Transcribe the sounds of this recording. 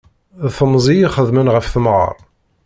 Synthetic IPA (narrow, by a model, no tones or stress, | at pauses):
θəmzˤijiχəðmənʁəfθəmʁɑ̰ɾˤ